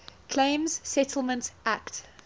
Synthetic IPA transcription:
kʰl̥ẽɪ̃mz̥sɛtʰəl̩ˠmə̃ntʔakt

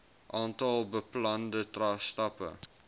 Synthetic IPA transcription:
ʔɑːntɐlˠbəplɐndətrɑːstɐpə̰

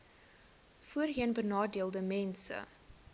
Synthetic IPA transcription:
fuərɦiənbənɑːdiəlˠdəmɛnsə̰

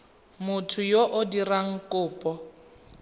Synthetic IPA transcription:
mʊtʰʊjoʔʊdiraŋ̩kʼʊːpʼɔ

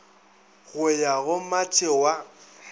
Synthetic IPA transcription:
ɣʊjaɣʊmatʼɪwa

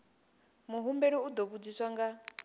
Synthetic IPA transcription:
muɦumbɛɺiud̪oβud͡ziswaŋɡa

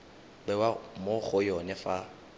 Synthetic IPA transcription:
k͡pɛwamoχʊjɔnɛfa

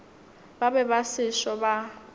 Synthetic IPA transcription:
babɛbasɪʃɔba

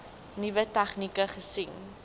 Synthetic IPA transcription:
nivətɛχnikəχəsiŋ

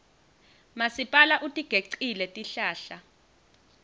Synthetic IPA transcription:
masipʼalaʔutʼiɡ̥ʱeǀilɛtʼiɬaːɬa

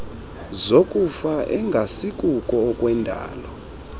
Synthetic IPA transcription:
zokʼufaʔɛŋɡʱasikʼukʼɔːkʼwɛndʱa̰ːlɔ

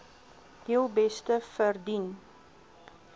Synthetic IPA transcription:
hiəlˠbɛstəfərdin

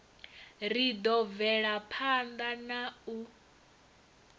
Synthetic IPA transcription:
ɾid̪ɔvɛɺapʰand̪anau

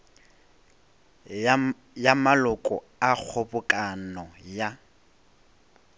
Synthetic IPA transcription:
jamalʊkʼɔ | ak͡xʰobʊkʼanɔja

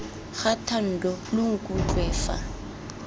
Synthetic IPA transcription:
xatʰan̩dɔlʊŋ̩kʼuǃwɛːfa̰

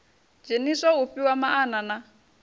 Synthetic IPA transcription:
d͡ʒeniʂauɸiwamaʔːnana

